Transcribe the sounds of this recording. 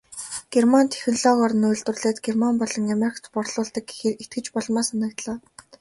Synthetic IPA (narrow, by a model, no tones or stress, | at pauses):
ɡ̥ermant̪ʰe̥xɘ̆nɮɔːʁɔr̆nʊjɮt̪ʊ̆rɮeːt̪ɡermampɔɮɞ̆ŋameɾʲkʰt͡s̪pɔrɮʊːɮt̪ə̆kxet̪̚ɡɘ̆t͡ɕpɔɮmaːsanə̆k̚t̪ɮaː